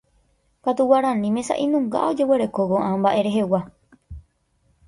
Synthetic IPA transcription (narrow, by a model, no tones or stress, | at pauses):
kat̪uwaɾãnĩmẽsa̰ʔĩnũŋɡa̰o̞d͡ʒe̞we̞ɾe̞ko̞ʋoʔãmbaʔe̞ɾe̞ɦe̞wa